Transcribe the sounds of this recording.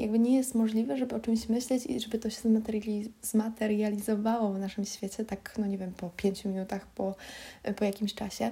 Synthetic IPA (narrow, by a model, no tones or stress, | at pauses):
ja̰ɡ̚bɘɲɛjɛst̪mɔʐlʲivɛʐɛbɘɔt͡ʂɘmɕmɘɕlɛt͡ɕḭʐɛbɘt̪ɔɕɛ̥zzmat̪ɛɾjalʲizmat̪ɛɾjalʲizɔvawɔvnaʂɘmɕfʲjɛt͡ɕɛt̪aknɔɲevʲjɛmpɔpʲjeɲt͡ɕumʲinut̪axpɔpɔjakʲimɕt͡ʂaɕɛ